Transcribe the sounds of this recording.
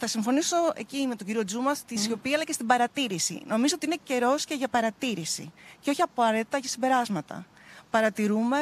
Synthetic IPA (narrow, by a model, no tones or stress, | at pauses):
θɐsiɱfo̞niso̞e̞̰cime̞t̪oɟiɾio̞d͡zumɐst̪isio̞piɐːlɐce̞st̪ibɐɾɐt̪iɾisḭno̞mizoot̪iine̞ce̞ɾo̞sce̞ʝɐpɐɾɐt̪iɾisḭceoçiɐpɐɾet̪it̪ɐʝɐsimbe̞ɾɐzmɐt̪ɐ̰ | pɐɾɐt̪iɾume̞